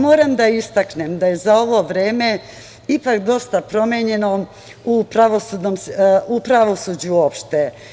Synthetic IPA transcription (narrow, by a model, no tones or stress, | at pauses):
mo̞ːɾamd̪aist̪aknemd̪aje̞zao̞ʋo̞ʋɾe̞ːme̞ | ipakd̪o̞st̪apɾo̞meɲe̞no̞ | upɾaʋo̞sud̪nomsupɾaʋo̞sud͡ʑuoːpʃt̪e